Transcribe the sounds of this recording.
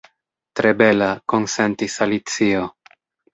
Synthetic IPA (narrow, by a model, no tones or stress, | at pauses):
tɾe̞be̞lako̞nse̞ntisalit͡sio̞